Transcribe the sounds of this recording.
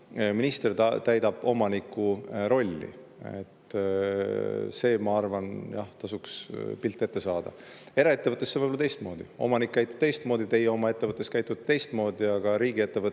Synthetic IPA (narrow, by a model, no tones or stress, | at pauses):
minist̪e̞rt̪æjd̪ɑb̥o̞mɑnikːˑuɾo̞lʲːḭḛt̪ː | se̞ːmɑɑrvɑnjɑht̪ɑsukspilt̪ːˑe̞t̪ːesɑːd̪̥ɑ̰ | e̞ɾɑe̞t̪ːevɤt̪ːˑesːevɯjbolɑt̪e̞jst̪mo̞ːd̪̥io̞̰mɑnikːæjt̪ːˑu̥t̪e̞jst̪mo̞ːd̪̥it̪e̞jeo̞mɑe̞t̪ːe̞vɤt̪ːˑe̞skæjt̪ːˑud̪̥̚t̪e̞jst̪mo̞ːd̪̥iɑɡ̥ɑɾiːɡ̥ie̞t̪ːe̞vɤ